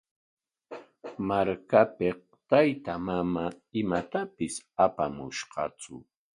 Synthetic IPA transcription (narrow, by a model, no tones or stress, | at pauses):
maɾkape | t̪ajt̪amamaɪmat̪apɪsapamʊʃqɑ̰t͡sʊ̰